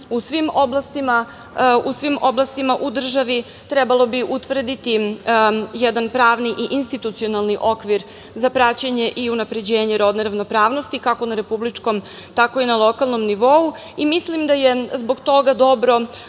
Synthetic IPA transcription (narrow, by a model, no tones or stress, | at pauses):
usʋimoblˠast̪ima | usʋimo̞blˠast̪imaʔud̪r̩ʒaʋi | t̪ɾɛbalˠo̞biʔut̪ʋr̩d̪it̪i | jɛd̪anpɾaːʋniʔiʔinst̪it̪ut̪sio̞nalˠniʔokʋiɾ | zapɾat͡ɕeɲe̞ʔiunapɾe̞d͡ʑeːɲe̞ɾod̪neɾaʋno̞pɾaːʋnost̪ikako̞naɾe̞publit͡ʂko̞m | t̪ako̞inalˠo̞kalˠno̞mniʋou | imislimd̪aje̞zbo̞ɡt̪o̞ɡad̪o̞bɾo̞